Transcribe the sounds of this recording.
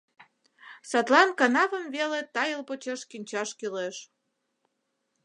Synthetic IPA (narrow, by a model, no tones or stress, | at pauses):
sɑt̪lɑnkɑnɑvə̆mvelet̪ɑjəlpot͡ɕɑʃkinʲt͡ɕɑʃkyleʃ